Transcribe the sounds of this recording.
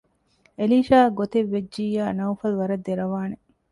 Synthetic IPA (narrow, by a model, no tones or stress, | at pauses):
eliːʃaːɡot̪eʋːed͡ʒd͡ʒiːjaːnɐwfɐluʋɐɾɐd̪ːeɾɐʋaːne